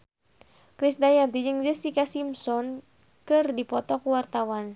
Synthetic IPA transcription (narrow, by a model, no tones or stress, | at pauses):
kɾisdajant̪id͡ʒɨŋd͡ʒəsikasimsɔn | kɨrdipɔt̪ɔkuwart̪awan